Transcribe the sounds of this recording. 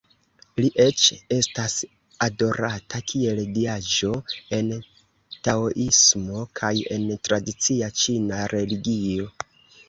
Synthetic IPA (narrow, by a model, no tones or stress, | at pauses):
liʔe̞t͡ʃe̞stas | ado̞ɾatʰakʰie̞ldiad͡ʒo̞e̞n | taoʔismo̞kʰaje̞̰ntɾadit͡siat͡ʃinaɾʔe̞liɡio̞